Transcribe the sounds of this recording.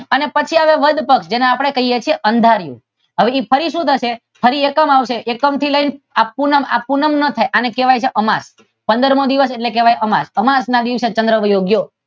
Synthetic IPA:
ənepət͡ʃʰiaʋeʋəd̪ʱpəkʃd͡ʒeneapɽ̃ekəɦijet͡ʃʰijeʔənd̪ʱaɾjṵ̃ | ɦəʋeipʰəɾiʃũt̪ʰəʃe | fʰəɾiekəmaʋʃeʔːkəmt̪ʰiləinapunəma̰punəmnət̪ʰajʔanekeʋajt͡ʃʰeʔəmas | pə̃nd̪əɾmod̪iʋəseʈlekeʋajʔəmasəmasnad̪iʋset͡ʃə̃nd̪ɾəʋəjoɡjo

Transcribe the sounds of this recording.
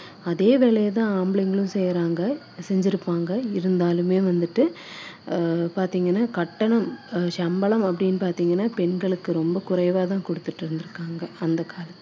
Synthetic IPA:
ɐðeːʋeːɭɐjɐt̪ãːaːmbɪɭɪŋɡɐɭɯ̃sɛjɾaːŋɡɐ | sɛɲd͡ʒɪɾɯpːaːŋɡɐɪɾɯnd̪aːlɯmeːʋɐnd̪ɯʈːɯ | paːɾt̪iːŋɡɐnːaːkɐʈːɐɳɐmʃɐmbɐɭɐmɐpːɐɽɪnːpaːɾt̪iːŋɡɐnːaːpɛɳɡɐɭɯkːɯɾɔmbɐkʊrɐɪʋaːt̪̬ãːkɔɽɯt̪ːɯʈːɯɾɯnd̪ɪɾɯkːaːŋɡɐɐnd̪ɐkaːlɐt̪ː

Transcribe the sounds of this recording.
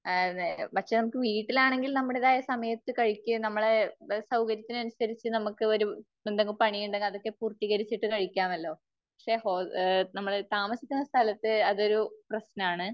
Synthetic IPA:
pɐkʂenɐmukːɨʋiːʈːilaːɳe̞ŋɡilnɐmːuɽeðaːjɐsɐmɐjɐt̪ːɨkɐɻikʲːɨnɐmːɐɭesɐwkɐɾjɐt̪ːinɐnusɐɾit͡ɕːɨnɐmukːɨo̞ɾu | end̪eŋɡɐɭpɐɳijuɳɖ̪eŋɡiɭɐðo̞kːe̞puːrt̪ːiɣɐɾit͡ɕːiʈːɨkɐɻikʲːaːmɐlːo̞ː | pɐkʂe̞hoːnɐmːɐɭt̪aːmɐsikʲːunːɐst̪ʰɐlɐt̪ːɨɐðo̞ɾuprɐɕnɐaːɳɨ

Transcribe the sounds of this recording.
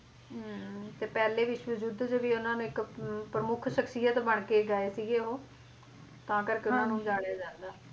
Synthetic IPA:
t̪eːpɛːleːʋɪt͡ʃʋəd͡ʒuːd̪d͡ʒeːʋiːʊnãːnũːɪkpɾəmʊkʰʃəkʰsijət̪bəɳ̃keːɡaːeːsiːɡeːɦoː | t̪ãːkəɾkɪʊnãːnũːd͡ʒaːɽejaːd͡ʒãːnd̪aː

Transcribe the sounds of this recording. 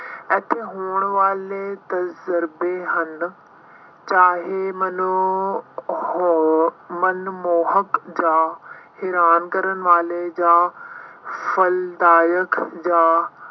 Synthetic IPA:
ɐt̪ʰeɦuːɽ̃ʋaːlet̪ɐzəɾbeɦɐn̆ | t͡ɕaːɦemɐn | mɐnmoːɦəkd͡ʑaːhɪɾaːnkɐɾəñ̆ʋaːled͡ʑaː | fɐld̪aːjəkʰd͡ʑaː

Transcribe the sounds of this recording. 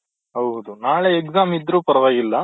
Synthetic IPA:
ɦɐwd̪unaːɭeekzaːmid̪ːɾuːpɐɾɐʋaːɡilːɐ

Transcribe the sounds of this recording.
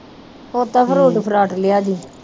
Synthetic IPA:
hoːt̪aːpʰəɾoːɖpʰəɾaːʈlɪjaːd̪iː

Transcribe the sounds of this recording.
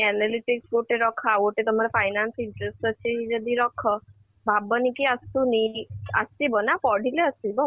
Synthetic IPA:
ɛnaliʈikskoʈeɾɔkʰaoʈet̪ɔmaɾepʰajnansiɳʈɾesʈɔt͡ʃʰid͡ʒɔd̪iɾɔkʰɔ | bʱabɔnikiast̪uniə̰st̪ibɔnapɔɽ̤ʱileəsibɔ

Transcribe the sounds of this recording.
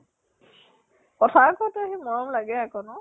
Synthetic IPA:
kɔtʰakɔtuaɦimɔɹɔmlaɡɛakɔnɔ

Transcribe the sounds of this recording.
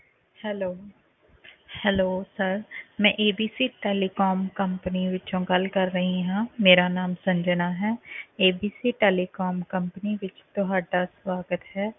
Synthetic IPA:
hɛloː | hɛloːsɐɾmɛ̃ːʔeːbiːsiʈeːlikɔːmkɐ̃mpəniʋɪt͡ʃt͡ʃõkəlkɐɾːɐɦĩɦãmeːɾanaːmsɐ̃ɲd͡ʒənaɦɛːeːbiːsiʈeːlikɔːmkɐ̃mpəniʋɪt͡ʃt̪oɦaːʈaswaːɡət̪ɦɛː

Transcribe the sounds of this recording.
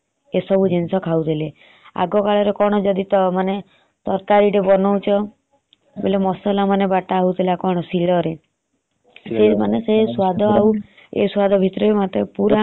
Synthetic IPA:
esɔbʱud͡ʒinsɔkʰawt̪ʰile | a̰ɡɔkaɭɔɾekɔɽ̃ɔd͡ʒɔd̪it̪ɔmane | t̪ɔɾkaɾiɽebɔnɔwt͡ʃʰɔ | belemɔsɔlamanebaʈaɦout̪ʰilakɔɽ̃ɔsilɔɾe | semaneseswad̪ʱɔaw | ḛswad̪ʱɔbʱit̪ɾɔɾemat̪epuɾa

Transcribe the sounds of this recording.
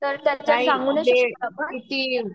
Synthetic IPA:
t̪əɾt̪jat͡ɕjaaisãŋɡuːnedebʱait̪iː

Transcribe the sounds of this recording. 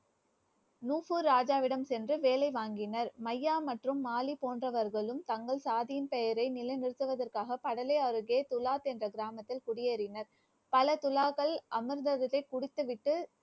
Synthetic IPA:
nuːfuɾːaːd͡ʒaːʋɪɽɐmsɛndrɯʋeːlɐɪʋaːŋɡɪnɐɾmɐjːaːmɐʈrɯmːaːlipoːndrɐʋɐɾɣɐɭɯmt̪ɐŋɡɐɭsaːðɪjɪnpɛjɐɾɐɪnɪlɐɪnɪɾɯt̪ːɯʋɐðɐrkaːɣɐpɐɽɐlɐɪɐɾɯɣeːt̪ʊlaːt̪ɛndrɐɡɪɾaːmɐt̪ːɪlkʊɽɪjeɾɪnɐɾ | pɐlɐt̪ʊlaːɣɐɭʔɐmɯɾnd̪ɐðɐlɐɪkːʊɽɪt̪ːɯʋɪʈːɯ

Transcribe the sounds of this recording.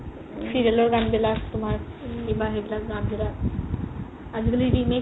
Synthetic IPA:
siɾjeloɾɡamd̪elat̪um̤aɾkĩʋaɦeblasɡamd̪ela | ad͡zɡəliɖime

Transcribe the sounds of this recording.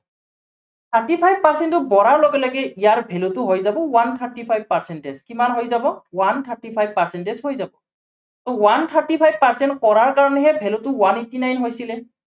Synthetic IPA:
t̪ʰaɹtipʰajb̚paɹsɛntʊbɔɹaɹloɡɛlɔɡɛijaɹbʱɛlʊtʊɦojzabɔwant̪ʰaɹtipʰajb̚paɹsɛntɛskimanɦojzabɔwant̪ʰaɹtipʰajb̚paɹsɛntɛshojzabɔ | tɔwant̪ʰaɹtipʰajb̚paɹsɛntkɔɹaɹkaɹɔnɛɦɛbʱɛlʊtʊwanitinajnɦojsilɛ

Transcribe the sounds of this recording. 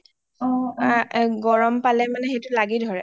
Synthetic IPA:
ɔ | ɡɔɹɔmpalɛmanɛxetʊlaɡidʱɔɹɛ̰

